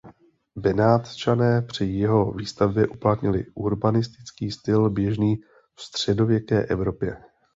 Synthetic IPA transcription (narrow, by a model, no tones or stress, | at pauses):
bɛnaːt̪t͡ʃanɛːpr̝̥ɪjɛɦo̞viːst̪avbjɛʔuplat̪ɲɪlɪ̰ʔuɾbanɪst̪ɪ̥t͡skiːst̪ɪlbjɛʒniː | fst̪r̝̥ɛdo̞vjɛkɛːʔɛvɾo̞pjɛ